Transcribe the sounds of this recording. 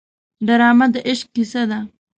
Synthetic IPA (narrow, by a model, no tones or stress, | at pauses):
ɖaɾɑːmat̪d̪əʔɪʃq̚kisad̪a